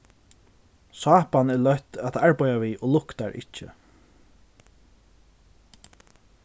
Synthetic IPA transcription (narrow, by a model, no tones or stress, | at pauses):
sɑːpanɛlœht̪at̪aɹpɔjaviːʔolʊkt̪aɹʔɪ̰t͡ʃːə̰